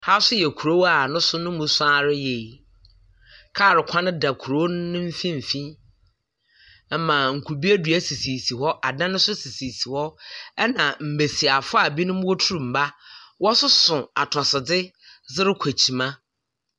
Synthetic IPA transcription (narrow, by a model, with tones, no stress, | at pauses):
ha˦sʊ˦jɛ˨kʰu˨ɾo˦wa˨nʊ̃˦sʊ˦nʊ̃˦mũ˨sʊ˦a˦ɾɪ˦je˨ | kʰa˦˨ɾɪ˨kʷʰã˦nʊ̃˦da˨kʰu˨ɾo˦n˦nːʊ̃˦m̩˦fĩ˦m̩˨fĩ˦ | ɛ˦mã˨ŋ̩˨kʰu˨bi˦e˦dɥæ˦si˨si˨si˨hɔ˦ʔa˨dã˦nʊ̃˦sʊ˦si˨si˨si˨hɔ˦ɛ˦nã˨m̩˨be˨si˨a˨fʊ˦a˨bi˦nʊ̃˦m˦wɔ˦tʰu˦ɾũ˨m̩˨ba˦wɔ˦sʊ˦sʊ̃˨a˨tʰɔ˨sɪ˨dɪ˦ | zɪ˦ɾɪ˦kʷʰæ˨t͡ɕʰi˨mã˦